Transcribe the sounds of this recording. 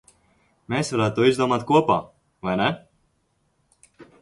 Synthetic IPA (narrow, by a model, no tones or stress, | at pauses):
mʲeːsvaɾaːt̪t̪ːuɔizd̪uɔmaːt̪kuɔpa̰ː | vajnɛ